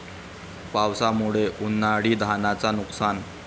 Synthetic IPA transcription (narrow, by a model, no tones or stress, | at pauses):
pawsamuɭeʔunːaɽiːd̪ʱanat͡sanuksan